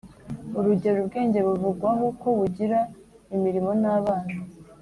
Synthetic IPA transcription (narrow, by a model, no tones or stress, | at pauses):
uɾuɟe̞ɾubɡe̞ːɲɟe̞ɾuvuɡwaɦo̞ko̞βuɟiɾa | imiɾimo̞naːβaːna